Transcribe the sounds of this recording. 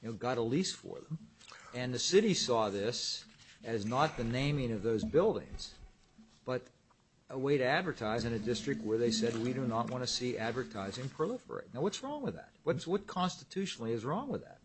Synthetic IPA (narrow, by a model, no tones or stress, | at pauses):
jnoʊɡɑɾəlisfə̰˞ðə̃mɨ̃nðɨsɪɾisɔðɪsɨznət̪̚ðɨnẽɪ̃mɪ̃ŋʌvðoʊzbɪlˠdɪ̰̃ŋz̥ | b̥ʌɾ | əweɪɾɨædvə˞tʰaɪzɨ̃nɨdɪstɹ̥ɨk̚t̚wə˞ðeɪsɛd̚wiɾɨnəʔ̚wɑ̃ñɨsiʔædvə˞tʰaɪzɪ̃ŋpʰɹ̥əlɪfə̰˞ḛɪt̚naʊwʌtsɹɔ̃ŋwəɨðæ̰t̚wʌnswʌt̚kʰɑ̃nstɨtʰʉʃn̩l̩ˠiɨzɹɔ̃ŋwəðæ̰t̚